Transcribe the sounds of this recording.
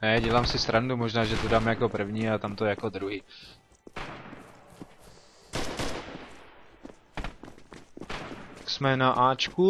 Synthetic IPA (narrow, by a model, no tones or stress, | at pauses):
nɛɟɛlaːmsɪst̪ɾandumoʒnaːʒɛt̪odaːmjako̞pr̩vɲiːat̪amt̪ojɛjakod̪ɾuɦiː | aksmɛnaʔaːt͡ʃku